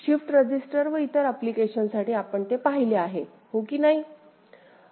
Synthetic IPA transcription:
ɕifʈɾəd͡ʑisʈəɾʋəit̪əɾaplikeɕənsaʈiːapəɳt̪epaɦileaɦe | ɦokiːnaɦi

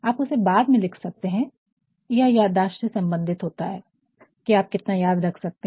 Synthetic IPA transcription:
aːpʊsebaːd̪mẽlɪkʰsɐk̚t̪eɦɛ̃ | jajaːd̪aːʃsesɐ̃mbə̃nd̪ʱɪt̪ɦoːt̪aɦɛː | kiaːp̚kɪt̪najaːd̪ɾɐkʰsɐk̚t̪e

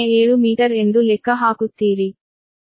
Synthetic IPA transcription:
eːɽumiːʈɐɾeɳɖ̪ulekːɐɦaːkut̪ːiːɾi

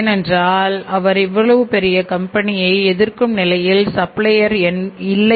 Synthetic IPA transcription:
nɛndraːlɐʋɐɾɪʋːɐɭɐʋɯpɛɾɪjɐkɐmpɐnɪjɐɪɛðɪrkɯmnɪlɐjɪlsɐpɭɐjɐɾɪlːɐ

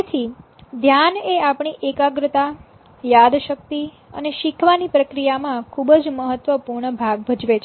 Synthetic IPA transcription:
et̪ʰi | d̪ʱjaneapɳ̃iʔekaɡɾət̪a | jad̪ʃək̚t̪i | ə̰neʃikʰʋanipɾəkɾijamãkʰubəd͡ʒməɦət̪ʋəpuɾɳəbʱaɡ̚bʱəd͡ʒʋet͡ʃʰ

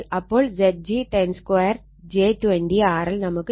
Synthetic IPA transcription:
lɐpːoːɭd͡ʒɛʈ̚d͡ʒiːʈɐnskojɐɾ | d͡ʒeːʈʋɛɳʈiaːɾɐlnɐmɐkːɯ

